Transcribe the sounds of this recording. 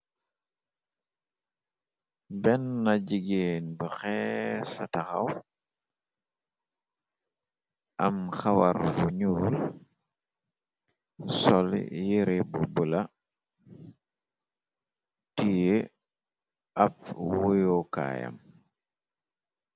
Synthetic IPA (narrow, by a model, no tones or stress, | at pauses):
bɛnːaɟiɡeːnbəxɛsataxa̰w | ʔɐmxawaɾvuɲuːl | sɔl̰jiɾebubula | tije | ɐp̚wujoka̰ːja̰m